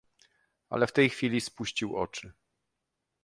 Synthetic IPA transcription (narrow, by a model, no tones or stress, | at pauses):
a̰lɛft̪ɛjxfʲilʲispuɕt͡ɕiwɔ̰t͡ʂɘ